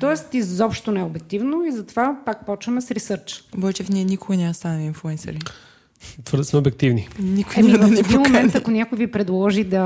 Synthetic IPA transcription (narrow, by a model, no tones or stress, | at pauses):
t̪ɔɛst̪izɔpʃt̪onɛɛoʊbɛk̚t̪ivnoizɐt̪ovapak̚pɔt͡ʃvɐmɛsɾisɤɾt͡ʃbɔɛt͡ʃɛfnʲiɛnikoɡɐnʲamɐst̪anɐliinflˠuɛnsɛ̰ɾi | t̪vəɾd̪əsmɛobɛk̚t̪ivninikʊjɛmiɐnɛd̪imomɛ̃nt̪ɐkonʲakʊjvipɾɛd̪lˠɔʒid̪ɐ